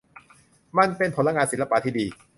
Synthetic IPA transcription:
ma˧˨npe˧npʰo˩˦la˧ŋaː˧nsi˨˦la˧pa˧t̪ʰiː˥˩diː˧

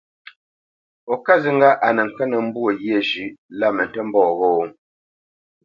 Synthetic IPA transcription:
ɔ˨ka˦zi˨ŋ̩˦ɡa˦ʔa˨nə˨ŋ̩˨kɛ˦nə˨m̩˦bu˦o˨ɣje˦˨d͡ʒʉ˨˦ʔla˦˨mə˨n̩˨tɛ˦m̩˦bɔː˦˨ɣo˦˨˦

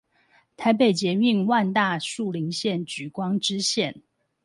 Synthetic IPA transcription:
t̪ʰa˧˥ɪp̬e˨˩ɪt͡ɕjɛ˧˥y˥˧ŋwa˥˧nt̪a˥˧ʂu˥˨˩li˧˥ŋɕjɛ˥˨nt͡ɕy˨˩kwɑ˥ŋʈ͡ʂɻ̩˥ɕjɛ˥˨n

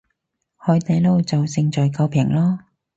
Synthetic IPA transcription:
hɔː˨˧˥t̪ɐ˨˧jlo˧wt͡sɐ˨wsɪ˧ŋt͡ʃɔː˨jkɐ˧wpʰɪ˨˩ŋlɔː˥

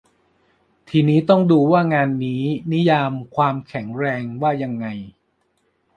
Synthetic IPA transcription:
t̪ʰiː˧niː˦˥t̪ɔ˥˩ŋduː˧waː˥˩ŋaː˧nːiː˦˥ni˦˥jaː˧mkʰwaː˧mkʰɛ˩˦ŋɾɛː˧ŋwaː˥˩ja˧ŋːa˧j

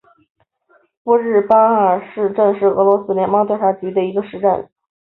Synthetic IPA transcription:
pu˥ɻɻ̩˥˩pa˥ə˨˩ʂɻ̩˥˧ʈ͡ʂə˥˧ŋʂɻ̩˥˩ɤ̰˧˥lwɔ˧˥sɹ̩˥ljɛ˧˥nmɑ˥ŋt̪jʂa˥˩t͡ɕy˧˥d̪ə˧˨i˧˥ɡə˧ʂɻ̩˥˧ʈ͡ʂə̰˥˩n

